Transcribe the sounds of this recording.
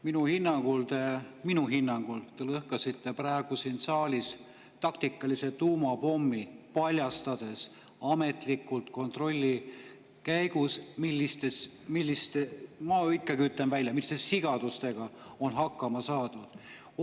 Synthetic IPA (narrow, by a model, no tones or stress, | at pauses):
minuhinːɑŋɡ̥ult̪e̞minuɦinːɑŋɡ̥ult̪e̞lɤhkɑsit̪ːˑe̞præeɡ̥usinsɑːlʲis | t̪ɑkt̪ikːˑɑlise̞t̪uːmɑpo̞mːipɑlʲjɑst̪ɑd̪̥e̞s | ɑme̞t̪likːˑult̪ko̞nt̪ro̞lʲːi | kæjɡ̥usmilʲːist̪es | milʲːist̪emɑikːˑɑɡ̥iyt̪lenvælʲjɑmilːist̪esiɡ̥ɑd̪̥ust̪e̞ɡ̥ɑo̞nɦɑkˑːɑmɑsɑːd̪̥ud̪̥